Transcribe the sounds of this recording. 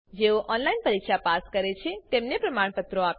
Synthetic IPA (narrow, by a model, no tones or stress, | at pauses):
d͡ʒeoʔɔnlainpəɾikʃapaskəɾet͡ʃʰet̪emnepɾəmaɳ̃pət̪ɾoap